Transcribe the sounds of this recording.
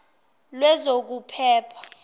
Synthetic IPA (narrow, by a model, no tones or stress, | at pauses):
lwɛzok̬upʰɛːpʰḁ